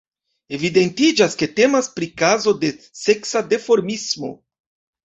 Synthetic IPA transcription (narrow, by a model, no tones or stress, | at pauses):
e̞vide̞ntid͡ʒaske̞te̞maspɾikazo̞de̞ | se̞ksade̞foɾmismo̞̰